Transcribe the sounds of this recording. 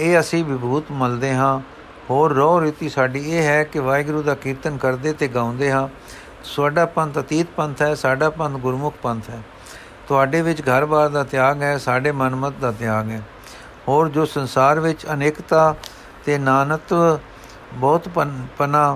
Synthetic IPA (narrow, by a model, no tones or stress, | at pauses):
eːəsĩːʋɪbuːt̪məld̪eːɦãː | hoːɾːɔːɾiːt̪iːsaːɖiːeːɦɛːkɪʋaːɪɡɾuːd̪aːkiːɾt̪ənkəɾd̪eːt̪eːɡãːʊ̃nd̪eːɦãː | sʊaːɖaːpə̃nt̪ət̪iːt̪̚pə̃nt̪ʰɦɛːsaːɖaːpə̃nt̪ʰɡʊɾmʊkʰpənt̪ʰɦɛː | t̪ʊaːɖeːʋɪt͡ʃɡʱəɾbaːɾd̪aːt̪ɪjaːɡɦɛːsaːɖeːmənmət̪̚d̪aːt̪ɪjaːɡɦɛː | ɦoːɾd͡ʒoːsənsaːɾʋɪt͡ʃəneːkt̪aː | t̪eːnaːnət̪ʋ | bɔːt̪pənaː